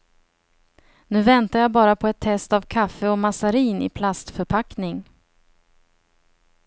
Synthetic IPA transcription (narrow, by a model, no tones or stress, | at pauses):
nʉ̟ːvɛnt̪ajabɑːɾapʰɔɛt̪ʰːɛst̪avkʰafːəɔmasaɾiːnɪ̰pʰlast̪fœɾpʰaknɪŋ